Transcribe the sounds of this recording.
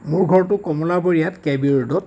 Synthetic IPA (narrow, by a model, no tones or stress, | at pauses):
mʊɹɡʱɔɹtʊkɔmɔlabɔɹijatkɛbiɹdɔt